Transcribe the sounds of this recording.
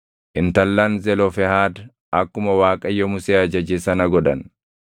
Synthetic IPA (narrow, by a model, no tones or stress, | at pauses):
ʔɪnt̪ɐlːaːnzɛlɔfɛhaːd̪ | ɐkːʊmɐwaːkʼɐjːɔmʊseːɐd͡ʒɐd͡ʒeːsɐnɐɡɔᶑɐ̰n